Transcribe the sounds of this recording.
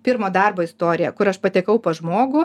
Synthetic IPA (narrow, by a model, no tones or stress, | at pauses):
pʲɪɾmoːd̪ɐrboːɪst̪oːɾʲɪjɛkʊɾɐʃpɐt̪ʲɛkɐʊpoːʒmoːɡʊ